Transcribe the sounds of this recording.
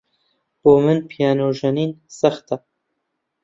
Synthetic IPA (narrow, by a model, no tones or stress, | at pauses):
b̥oːmɨnpʰijɑːnoːʒɐniːnsaχt̪a